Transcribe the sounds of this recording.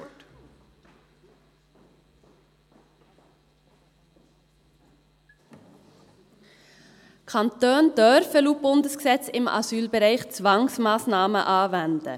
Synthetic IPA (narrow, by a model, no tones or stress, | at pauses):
kʰɑntøːndœɾɾfəluːb̥ʊndəsɡsɛt͡sɪmɑ̰syːlbəɾæɪχt͡svɑŋsmɑːsnɑːmə̰ʔɑːvɛnd̪ə̰